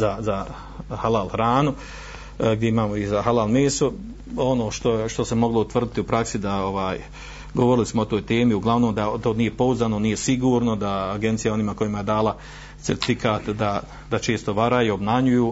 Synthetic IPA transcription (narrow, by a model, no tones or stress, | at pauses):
zaza | halaːlhɾaːnu | ɡd̪je̞imaːmoizaɦalaːlmeːsu | o̞no̞ːʃt̪o̞ʃt̪o̞semo̞ɡlˠo̞ut̪ʋr̩d̪it̪iupɾaksid̪ao̞ʋaːj | ɡoʋo̞ɾilismoot̪o̞ːjt̪e̞ːmiuɡlˠaʋnoːmd̪at̪o̞ːnije̞po̞uzaːnonije̞siɡuːɾno̞d̪aːɡe̞nt̪sijao̞niːmako̞jimajed̪aːla | t̪eɾt̪i̥fikaːt̪d̪a | d̪at͡ʃe̞ːst̪o̞ʋaɾajiobnaɲujuː